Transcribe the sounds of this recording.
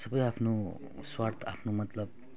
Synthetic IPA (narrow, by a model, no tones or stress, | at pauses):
sʌbʌjapʰno | swart̪ʰa̰pʰnomʌt̪lʌb̚